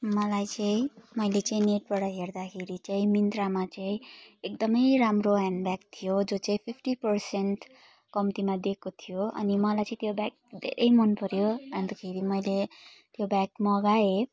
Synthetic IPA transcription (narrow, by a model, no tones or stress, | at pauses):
mʌlajt͡saĩmʌjlet͡saĩneʈ̚baɽʌɦerd̪akʰeɾit͡saĩmint̪ramat͡saĩek̚d̪ʌmʌjɾamroɦanɖbak̚t̪ʰijod͡zot͡saĩpʰipʰʈipʌrsenʈ | kʌmt̪imad̪ekot̪ʰijoʌ̰nimʌlajt͡saĩt̪jobak̚d̪ʱḛɾʔʌjmʌnpʌɾjoʌnd̪akʰeɾimʌjlet̪jobakmʌɡae